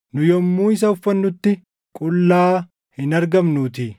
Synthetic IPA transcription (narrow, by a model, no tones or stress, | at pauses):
nʊjɔmːuːɪs̬ɐʊfːɐnːʊt̪ːɪ | kʼʊlːaː | hɪnɐɾɡɐmnuːt̪ɪ